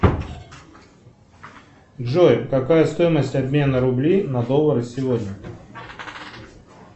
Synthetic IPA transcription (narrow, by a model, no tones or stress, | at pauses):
ʐo̞jkɐkajəst̪o̞jɪməsʲtʲɐbmʲe̞nəɾʊblʲinɐd̪o̞lˠəɾɨsʲɪvo̞dʲnʲə